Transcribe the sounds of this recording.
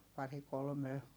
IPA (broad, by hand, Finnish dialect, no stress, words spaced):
pɑri kolme